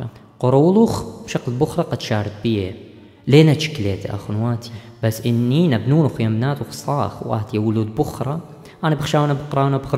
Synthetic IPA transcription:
qʊɾˤuːlʊxb̥ʃaqlbʊxɾˤɑqɑd̪ʃaːɾˤɑt̪̚bije | leːnat̪ʃɪ̥kːleːt̪ʔa̰xʊnwaːt̪i̥b̥asːʔɪnːinabnuːnʊxjamnaːt̪ʊxsˤɑːxwʔa̰t̪jawʊluːd̪bʊxɾˤɑ | ʔaːnabɪxʃaːwnabɪqɾˤɑːwnabx

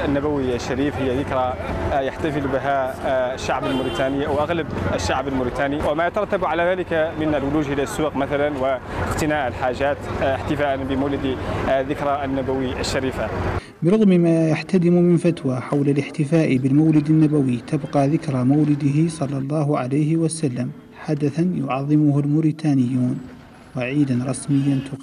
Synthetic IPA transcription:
ənːabawiaʃːaɾiːfhɪjːaðɪkɾɑjaħt̪afɪlbɪɦaʃːaʕbəlmʊɾit̪aːniʔawʔaɣlabʃːaʕbəlmʊɾit̪aːniwɪmajat̪ɑɾˤɑt̪ːabʕalaðaːlɪkamɪnəlwʊluːd͡ʒʔɪlasːuːqmaθalanwɪ | əqt̪ɪnaːʔəlħaːʒːaːt̪ɪħt̪ɪfaːʔanbɪmawlɪd̪iðɪkɾˤɑʔnːabawiʔaʃːaɾiːfa | bɪɾˤʊɣmmaːjaħt̪ad̪ɪmʊmɪnfat̪waħawlalɪħt̪ɪfaːʔɪbɪlmawlɪd̪anːabawit̪abqɑːðɪkɾamawlɪd̪ɪɦɪsˤɑlːɑlˤːɑːɦʕalajhɪwasalːam | ħad̪aθanjʊʕɑðˤːɪmʊhʊlmʊɾit̪ʰaːnɪjːuːn | waʕiːd̪anɾˤɑsmɪjːant̪ʰʊq

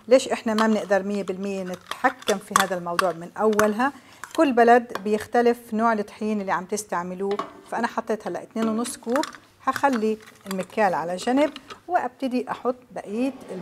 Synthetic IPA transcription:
leːʃʔɪħnamabnɪʔd̪ɑɾˤmɪjːebɪlmɪjːenɪt̪ħakːamfiɦaːd̪almɑwd̪ˤuːʕmɪnʔawːalɦa | kʊlːbalad̪bjɪxt̪alɪfnoːʕlɪt̪ːˤħiːnɪlːiʕamb̚t̪ɪst̪aʕmɪluːfaʔanaħɑt̪ˤːeːt̪halːa̰ʔɪt̪neːnwnʊsˤːkuːb | haxalːiɪlmɪkaːlʕalaʒanɪbwɪʔab̚t̪ɪd̪iʔɑħʊt̪ˤːbaʔiːt̪ɪl

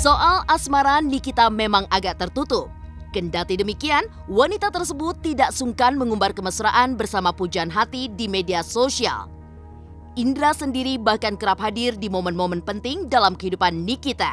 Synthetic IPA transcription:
soʔalasmaɾanikit̪amemaŋʔaɡaʔt̪ərt̪ut̪ʊp̚ | kəndat̪idəmikian | wanit̪at̪ərsəbʊt̪ːidaʔsuŋkanməŋumbarkəmasuɾaʔanbərsamapud͡ʒaanɦat̪idimediasosia̰l | ʔindɾasəndiɾibahkankəɾap̚ɦadirdimomənmomənpənt̪ɪŋdalamkəɦidupanːikit̪a̰

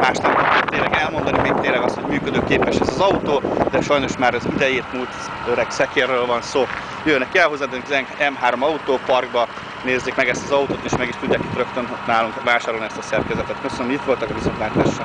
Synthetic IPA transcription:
maːʃt̪ɛmkɛt̪eːlːɛɡɛlmo̞nd̪ɒnimikt̪ːeːnlɛɡɒst̪ho̞ɟmyːkød̪øːkeːpɛʃɛzɒzɒut̪oːd̪ɛʃɒjno̞ʃmaːɾɛzid̪ɛjeːt̪mult̪ | øɾɛksɛkeːrːøːlvɒnsoː | jønːɛkiɛlɦo̞zːaːd̪øŋkizɛŋɛmɦaːɾo̞mɒut̪oːpɒrɡbɒ | neːzːeːkmɛɡɛst̪ɒzɒut̪oːt̪eːʃmɛɡiʃt̪uɟːaːkit̪røkt̪ønnaːluŋkvaːʃaːɾo̞lniɛst̪ɒsɛrkɛzɛt̪ɛt̪køsønmit̪ʋo̞lt̪ɒkɒvisonʋaːt̪aːʃːɒ

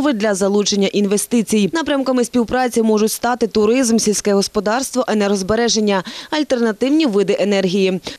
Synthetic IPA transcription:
ʋɪd̪lʲɐzɐlˠut͡ʃe̞nʲːɐʔinʋe̞st̪ɪt͡sʲijnɑpɾʲɐmkɐmɪspʲiwpɾɑt͡sʲimɔʒʊtʲst̪ɑt̪ɪt̪ʊɾɪzmsʲilʲsʲkɛɦɔspɔd̪ɑrst̪ʋɔʔɐnɛɾɔzbe̞ɾɛʒe̞nʲːɐɐlʲt̪ernɐt̪ɪwnʲiʋɪd̪ɪʔenɛrɦʲiji

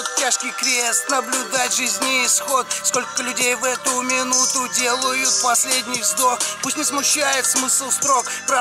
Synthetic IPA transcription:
t̪tʲaʂkʲɪjkɾʲest̪nəblʲʊd̪atʲʐɨzʲnʲɪɪsxo̞t̪sko̞lʲkəlʲʉdʲejvɛt̪ʊmʲɪnut̪ʊdʲe̞lˠəjʊt̪pɐsʲlʲedʲnʲɪjzd̪okpusʲtʲnʲɪsmʊɕːæjɪt̪smɨsəlˠst̪ɾo̞k | pɾ

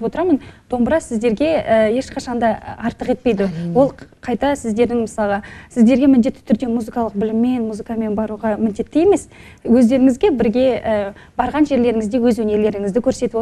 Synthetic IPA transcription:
pwo̞t̪əɾɑmənd̪̥o̞mbəɾɑsɪzd̪e̞ɾɡʲe̞əje̞ʃqʰɑʃɑnd̪ɑɑɾt̪əqe̞t̪pe̞jd̪ɪwo̞lˠqʰɑjt̪ɑsɪzd̪e̞ɾd̪ɪŋməsɑlˠɑsɪzd̪e̞ɾɡʲe̞mɪnd̪e̞t̪ːɪ̥t̪ʰʏɾd̪e̞muzɨkɑlˠəq̚bɪlɪmːe̞nmuzɨkame̞nbɑɾuʁɑmɪnd̪e̞t̪ːɪje̞me̞s | wɵzd̪e̞ɾɪŋɪzɡʲe̞bɪɾɡʲe̞ə | bɑɾʁɑnʒe̞ɾle̞ɾɪŋɪzd̪e̞wɵzwɵne̞ɾle̞ɾɪŋɪzd̪ɪkʲʰɵɾse̞t̪ɪpo

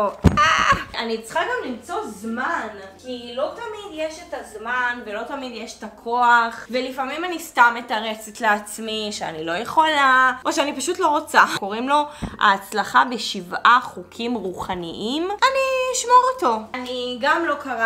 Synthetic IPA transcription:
oaanit͡sχaɡamlimt͡so̞zmankilo̞tamid̪jeʃetazmanvelo̞tamid̪jeʃetakʰo̞aχvelifamimanistametaʁe̞t͡setleat͡smiʃea̰nilo̞jeχolaʔo̞ʃeanipaʃutlo̞ʁot͡sako̞ʁimlo̞a̰ːt͡slaχabe̞ʃivaχukʰimʁuχaniʔimaniiʃmoʁoto̞aniɡamlo̞kaʁa

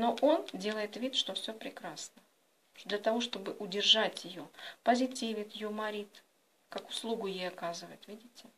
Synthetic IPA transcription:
no̞ʔo̞ndʲe̞lˠəjɪt̪vʲit̪ʂt̪o̞fsʲɵpɾʲɪkɾasnə | d̪lʲət̪ɐvo̞ʂt̪o̞bɨʔʊdʲɪrʐatʲjɪjo̞pəzʲɪtʲivʲɪt̪jɪjomɐɾʲit̪ | kakʊ̥slˠuɡʊjejɐkazɨvəjɪt̪vʲidʲɪtʲɪ

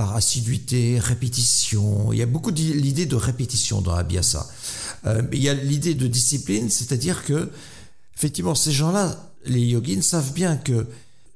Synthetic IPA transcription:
paʁasid̪ɥit̪eʁepet̪isjɔ̃ḭljabokud̪ilid̪ed̪əʁepet̪isjɔ̰̃d̪ɑ̃a̰bḭa̰sa̰ | ø̰miljalid̪ed̪əd̪isiplinsɛt̪ad̪iʁkə | efɛk̚t̪ivmɑ̃seʒɑ̃la | lejɔɡʲinsavbjɛ̃kə

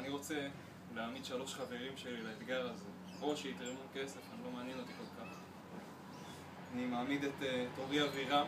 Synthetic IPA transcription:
aniʁo̞t͡se̞ | leamid̪ʃaloʃχave̞ʁimʃe̞lilaet̪ɡaʁaze | o̞ʃeit̪ʁemuke̞se̞fanilo̞maːnjeno̞t̪iko̞lkaχ | animaːmid̪et̪eto̞ʁiaviʁa

